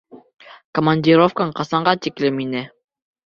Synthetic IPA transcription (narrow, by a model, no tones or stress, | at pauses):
kəmanʲdʲiɾofkəɴqɑsɑɴɢɑt̪iklɘminɘ